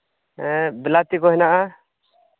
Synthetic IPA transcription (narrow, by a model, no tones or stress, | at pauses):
ɛbɛlat̪ikɔɦɛnaʔa